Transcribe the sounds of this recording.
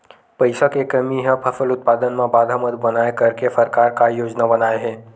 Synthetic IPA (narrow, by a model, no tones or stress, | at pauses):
pəɪsakekəmiɦə̃pʰɐfəlʊt̪̚paːd̪ənmẽbaːd̪ʱaːməd̪bɐnaːekɐɾkesəɾkaːɾkajoːd͡ʒnabɐnaːeɦɛ̃ː